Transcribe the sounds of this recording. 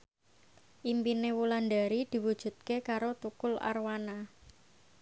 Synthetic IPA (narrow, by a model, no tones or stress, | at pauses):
ʔimpinewulandaɾid̪̥i̤wud̥ʒ̥ṳt̪̚kekaɾot̪ukʊla̰rwana